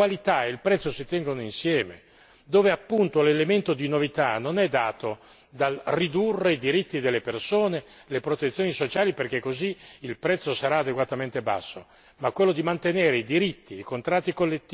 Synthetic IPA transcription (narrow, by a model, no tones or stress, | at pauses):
alit̪aeilpɾɛt̪sːosit̪ɛŋɡonoinsjɛːmḛ | d̪oːveapːunt̪olelement̪od̪inovit̪anonɛd̪ːaːt̪o | d̪alrid̪urːeid̪iɾit̪ːid̪elːepersoːne | lepɾot̪et̪sːjoːnisot͡ʃaːliperk̟ekːoziːlpɾɛt̪sːosaɾaːd̪eɡwat̪ament̪eba̰sːo | makːwelːod̪imant̪eneːɾeid̪iɾit̪ːiːkont̪ɾat̪ːikolːet̪ː